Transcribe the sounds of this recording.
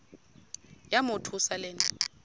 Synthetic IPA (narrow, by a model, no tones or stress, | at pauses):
jamʊtʰusalɛːn